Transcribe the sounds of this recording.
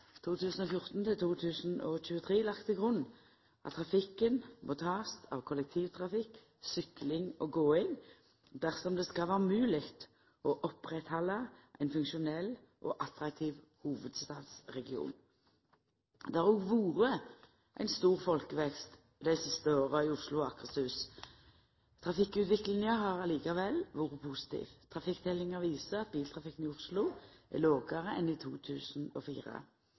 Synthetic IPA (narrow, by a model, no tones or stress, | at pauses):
t̪ʰuːt̪ʰʉːsən̩ɔfjʊʁt̪n̩t̪ʰɪlt̪ʰuːt̪ʰʉːsənɔc͡çʉːət̪ʰʁeːlɑkt̪ʰəɡʁʉnː | ɑ̰t̪ʰʁɑfɪkːənmʊt̪ʰɑːst̪ʰɑ̰ʋkʰɔlɛk̚t̪ʰiːʋt̪ʰʁɑfɪk | sʏklɪŋɔɡoːɪŋ | d̪æʁsɔmd̪ɛskɑʋæːʁmʉːlɪɡt̪ | ʔɔʔɔpʁɛt̪hɑlːɑʔæ̰ɪnfʉŋkʃʊnɛlː | ʔɔ̰ːʔɑt̪ʁɑk̚t̪ʰiːʋ | huːʋəd̪st̪ɑːd̪sʁɛɡɪṵːn | d̪ɛæʁɔɡʋuːʁə | ʔæ̰ɪnst̪uːʁfɔlkəʋɛkst̪ | d̪æɪsɪst̪əoːʁɑɪʊʁslʊɑkʁəsʉːs | t̪ʰʁɑfɪkːʉt̪ʋɪklɪŋəɦɑʁɑliːkɑʋɛlːʋuːʁəpʰʊsɪ̥t̪ʰḭːʋt̪ʰʁɑfɪkːt̪ʰɛlːɪŋəʋiːsəɑt̪̚biːlt̪ʰʁɑfɪkːən̩ɪʊʁslʊæ̰loːɡɑʁəɛniːt̪ʰuːt̪ʰʉːsnɔfḭːʁə̰